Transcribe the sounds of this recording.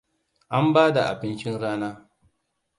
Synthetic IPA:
ʔa˦mbaː˦da̰˨ʔa̰˨bɪ˦nt͡ʃɪ˦nɽaː˦naː˦

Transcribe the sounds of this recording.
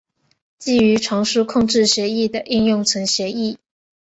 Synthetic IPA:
t͡ɕi˥˩y˧˥ʈ͡ʂʰwɑ˧˥ŋʂu˥kʰʊ˥˧ŋʈ͡ʂɻ̩˥˩ɕɥɛ˧˥i˥˩d̪ə˩ʔi˥˧njʊ˥˩ŋt͡sʰə˧˥ŋɕjɛ˧˥i˥˩

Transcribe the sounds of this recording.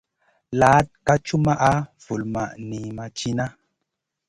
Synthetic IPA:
la˨˦t̚ka˦t͡ʃu˦ma˦ʔa˦v̥u˨lma˨ʔni˨ma˨t͡ʃi˦na˦

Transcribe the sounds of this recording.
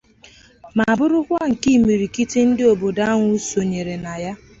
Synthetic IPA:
ma˨a˨bʊ˦ɾʊ˦kʷa˦ŋ̩˨ki˦˨mi˨ɾi˨ki˦te˦n̩˦dɪ˦o˨bo˨da˦ŋʷʊ˦so˨ɲe˨ɾe˨na˨ja˦

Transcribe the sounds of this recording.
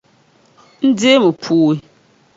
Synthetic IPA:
n̩˦de˦mə˨pʰuː˦i˨

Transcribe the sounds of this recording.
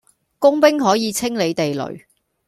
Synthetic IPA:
kʊ˥ŋpɪ˥ŋɦɔː˨˥jiː˨˧t͡sʰɪ˥ŋle˨˧jt̪e˨jlɵ̰˨˩ɥ

